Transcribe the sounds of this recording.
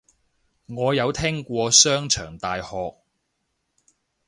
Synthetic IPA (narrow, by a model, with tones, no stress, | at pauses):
ŋɔː˨˧jɐ˨˧wt̪ʰɛ˥ŋkʷɔː˧sœː˥ŋt͡ʃʰœː˨˩ŋt̪aː˨jhɔː˨k̚